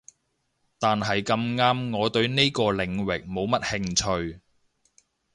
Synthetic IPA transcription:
t̪aː˨nɦɐ˨jkɐ˧mŋaː˥mŋɔː˨˧t̪ɵ˧ɥne˥kɔː˧lɪ˨˩ŋwɪ˨k̚mo˨˧wmɐ˥t̚hɪ˧ŋt͡ʃʰɵ˧ɥ

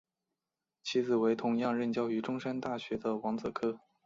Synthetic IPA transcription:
t͡ɕʰi˥d͡zɹ̩˨˩we˧˥ɪt̪ʰʊ˧˥ŋjɑ˥˧ŋɻə˥˩nt͡ɕjɑ˥ʊy˧˥ʈ͡ʂʊ˥ŋʂa˥nt̪a˥˩ɕɥɛ˧˥d̪ə˧wɑ˧˥ŋt͡sɤ˨˩kʰɤ˥

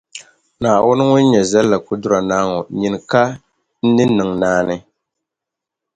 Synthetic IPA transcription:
naː˨wʊ˦nɨ˦ŋʊ˦n̩˦ɲɛ˨za˦lːa˨kʊ˦dʊ˦ɾa˨naː˦ŋɔ˨ɲi˨nɨ˨ka˦ | n̩˦nɨ˦nɨ˨ŋnaː˦nɨ˦

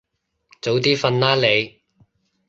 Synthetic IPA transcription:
t͡so˨˥wt̪̬iː˥fɐ˧nlaː˥le˨˧j

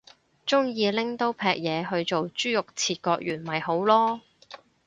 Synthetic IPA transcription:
t͡sʊ˥ŋjiː˨˧lɪ˥ŋt̪o˥wpʰɛː˧k̚jɛː˨˧ɦɵ˧ɥt͡so˨wt͡ʃyː˥jʊ˨k̚t͡sʰiː˧t̚kɔː˧k̚jyː˨˩nmɐ˨˩jho˨˥wlɔː˥

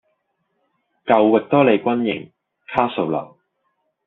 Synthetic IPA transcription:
kɐ˧wːɪ˨˩k̚t̪ɔː˥le˨jkʷɐ˥njɪ̰˨˩ŋ | kʰaː˥so˨˧wlɐ̰˨˩w

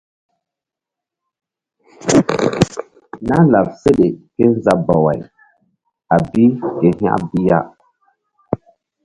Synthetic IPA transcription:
na˦la˨p̚se˦ɗe˨ke˦n˦za˦ba˨wa̰˨j | a˨bi˦ke˨hja̰˦ʔbi˦ja̰˦

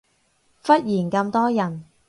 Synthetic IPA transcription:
fɐ˥t̚jiː˨˩nkɐ˧mt̪ɔː˥jɐ˨˩n

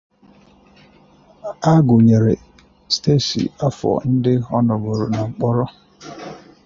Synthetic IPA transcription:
a˦ɡʊ˨ɲe˨ɾe˨ | ste˦˨sḭ˨a˦fɔ̰˨n̩˦dɪ˦ɔ˦nɔ˨ɡo˨ɾo˨na˨ŋ͡m̩˨k͡pɔ˦ɾɔ˦

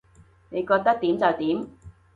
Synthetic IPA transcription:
ne˨˧jkɔː˧k̚t̪ɐ˥k̚t̪iː˨˥mt͡sɐ˨wt̪iː˨˥m

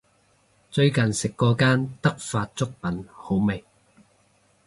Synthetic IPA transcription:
t͡sɵ˧ɥkɐ˨nsɪ˨kːɔː˧kaː˥nt̪ɐ˥k̚faː˧t̚t͡sʊ˥k̚pɐ˨˥nho˨˥wme˨˩j

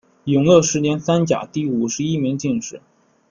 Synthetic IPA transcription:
jʊ˧˩˥ŋlwɤ˥˩ʂɻ̩˧˥njɛ˧˥nsa˥nt͡ɕja̰˨˩t̪i˥˩u˨˩ʂɻ̩˧˥i˥mi˧˥ŋt͡ɕi˥˧nʂɻ̩˥˩˦

